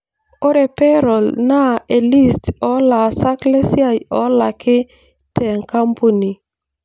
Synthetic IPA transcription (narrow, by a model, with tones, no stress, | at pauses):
ɔ˦ɾɛ˨pɛ˦ɾɔ˨lna˦e˨li˦stɔ˦la˨sa˦kle˦si˦a˦˨jɔ˦la˨kʰɪ˦ | tʰɛ˨ŋka˦mpu˦ni˨